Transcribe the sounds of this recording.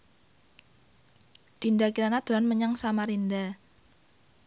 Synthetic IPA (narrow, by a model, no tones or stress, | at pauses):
rindakiɾanad̪̥uɾanməɲaŋsamaɾinda